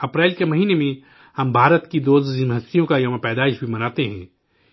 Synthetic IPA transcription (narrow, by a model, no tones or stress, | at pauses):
ɐpɾɛːlkemɐɦiːnemẽ | hɐmbʱaːɾət̪kid̪oːzɪmʱəst̪ijõkajɐʋãpɛːd̪aːɪʃbʱimɐnaːt̪eɦɛ̃ː